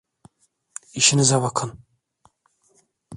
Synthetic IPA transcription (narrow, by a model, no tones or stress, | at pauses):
iʃinizaβakʰɯn